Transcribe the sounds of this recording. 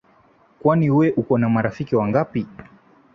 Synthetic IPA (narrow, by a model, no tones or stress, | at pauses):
kwaniwɛʔukɔnamaɾafikiwaŋɡapi